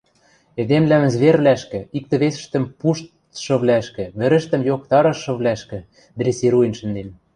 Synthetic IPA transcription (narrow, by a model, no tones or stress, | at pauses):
ed̪emlæmzβerβlæʃkɘ̆ik̚t̪ɘ̆βesɘ̆ʃt̪ə̆mpuʃt̪ | ʃɤ̆βlæʃkɘ̆βɘ̆ɾɘ̆ʃt̪ə̆mjokt̪ɑɾɤ̆ʃːɤ̆βlæʃkɘ̆ | d̪resiɾuenʃɘ̆nd̪en